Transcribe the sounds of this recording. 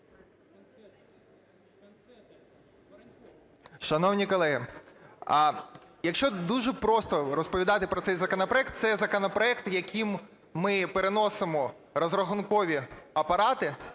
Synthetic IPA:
ʃɐnɔwnʲikɔlˠɛɦɪ | jɐkʃt͡ʃɔd̪uʒɛpɾɔst̪ɔɾɔspɔʋʲid̪ɑt̪ɪpɾɔt̪ɛjzɐkɔnɐpɾɔɛkt̪sɛzɐkɔnɔpɾɔɛk̚t̪jɐkʲʰimː | ɪpeɾenɔsɪmɔ | ɾɔzrɔxʊnkɔʋʲiɐpɐɾɑt̪ɪ

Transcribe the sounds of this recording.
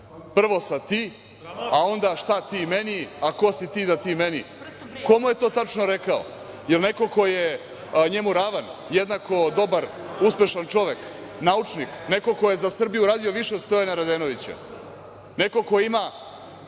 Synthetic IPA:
pr̩ʋo̞sat̪iː | ao̞nd̪aʂt̪at̪iːmeniako̞sit̪iːd̪at̪iːmenḭ | ko̞muje̞t̪o̞ːt̪at͡ʃnoɾe̞kao̰ | jelne̞ko̞ko̞je | ɲe̞muɾaʋanjed̪nako̞d̪o̞baɾ | uspʲe̞ʃant͡ʃo̞ʋe̞k | naut͡ʂnikne̞ko̞kojezasr̩bijuɾaːd̪io̞ʋiʃet̪st̪ojenaɾad̪enoʋit͡ɕḛ | ne̞ko̞ko̞ima

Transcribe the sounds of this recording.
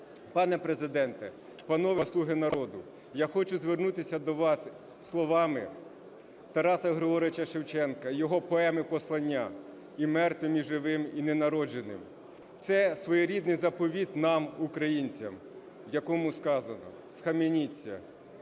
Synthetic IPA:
pɑnɛpɾezɪd̪ɛnt̪ɛ | pɐnɔʋɐslˠuɦɪnɐɾɔd̪ʊ | jaxɔt͡ʃʊzʋernut̪ɪsʲɐd̪ɔʋɑsː | lˠɔʋɑmɪ | t̪ɐɾɑsɐɦɾɪɔɾɪt͡ʃɐʃewt͡ʃɛnkɐjɔɦɔpɔɛmɪpɔslˠɐnʲːa | imɛrt̪ʋɪmʲiʒɪʋɪminenɐɾɔd͡ʒenɪ̰m | t̪sɛsʋɔjɔɾʲid̪nɪjzɐpɔʋʲit̪nɑmukɾɐjinʲt͡sʲɐm | jɐkɔmʊskɑzɐnɔ̰ | sxɐmenʲit͡sʲːɐ̰

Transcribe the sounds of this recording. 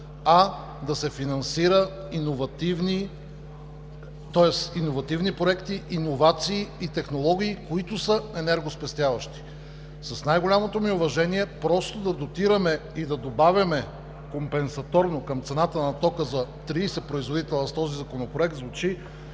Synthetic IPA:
ɐ | d̪ɐsɛfinɐnsiɾə | inovɐt̪ivni | t̪ɔɛsinovɐt̪ivnipɾoɛkt̪iʔinovat̪siːt̪ɛxnolˠɔɡ̟ʲiːkoit̪ʊsəɛnɛɾɡospɛst̪javɐʃt̪i̥ | sɐsnajɡolʲamot̪omiʊvɐʒɛniɛpɾɔst̪od̪ɐd̪ot̪iɾɐmɛid̪ɐd̪obavʲɐmɛ | kompɛnsɐt̪ɔɾnokɐmt̪sɛnat̪ənɐt̪ɔkəzɐt̪ɾiːsɛpɾoizvod̪it̪ɛlˠɐst̪ɔzizɐkonopɾoɛk̚t̪zvʊt͡ʃi

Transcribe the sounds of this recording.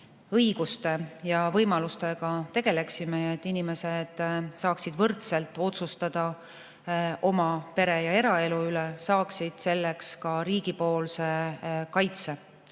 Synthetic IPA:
ɤjɡ̥ust̪e̞jɑvɤjmɑlust̪e̞ɡ̥ɑt̪e̞ɡ̥e̞le̞ksimeet̪ˑːinime̞se̞d̪̥sɑːksid̪̥vɤrt̪se̞lt̪ːˑo̞t̪sust̪ɑd̪̥ɑ | ʔo̞mɑpe̞ɾe̞jɑe̞ɾɑe̞luylesɑːksid̪̥se̞lːe̞kskɑɾiːɡ̥ipo̞ːlse̞kɑjt̪se̞

